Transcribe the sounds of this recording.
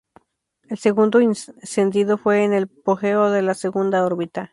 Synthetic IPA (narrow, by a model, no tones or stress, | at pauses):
elseɣund̪oinsend̪iðofweːnelpoxeoðelaseɣund̪aoɾβit̪a